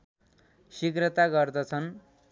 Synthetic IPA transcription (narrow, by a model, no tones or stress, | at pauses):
sikrʌt̪aɡʌrd̪ʌt͡sʰʌn